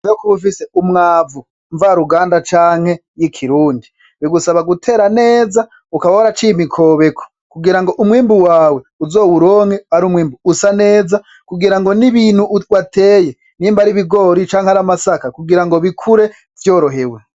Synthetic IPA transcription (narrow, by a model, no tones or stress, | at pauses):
okoβufiseumŋaːvu | ɱvaɾuɡaːndat͡ʃaːŋ̥he̞jikʰiɾuːndi | βiɡusaβaɡutʰe̞ːɾane̞ːza | ukaβauɾat͡ʃimikʰo̞ːβe̞kʰo̥ | kuɡiɾaŋɡoʔumwiːmbuwaːwe̞uzo̞ːwuɾo̞ːŋ̥eaɾumwiːmbuusane̞ːza | kuɡiɾaŋɡo̞niβiːn̥huwatʰe̞ːje̞ | nimbaɾiβiɡo̞ɾit͡ʃaːŋhaɾamasakakuɡiɾaŋɡo̞βikʰuɾe̞ | vjo̞ːɾo̞ɦewe̞